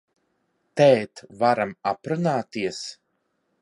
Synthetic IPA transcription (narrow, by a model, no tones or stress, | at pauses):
t̪ɛːt̪vaɾamapɾunaːt̪iɛs